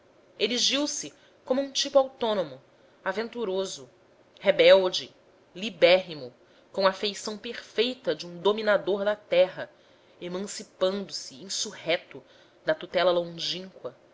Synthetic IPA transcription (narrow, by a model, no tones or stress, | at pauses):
eɾiʒiwsɪ | kõmʊũt͡ʃipuawt̪õnomʊ | avẽnt̪uɾozʊ | hebɛwd͡ʒɪ | libɛɦimʊ | kõw̃ɐfejsɐ̃w̃peɾfejt̪ɐd͡ʒɪũd̪ominad̪oɾd̪ɐt̪ɛɦɐ | emɐ̃sipɐ̃nd̪ʊsɪĩsuhɛt̪ʊ | d̪ɐt̪ut̪ɛlɐlõʒĩŋkwɐ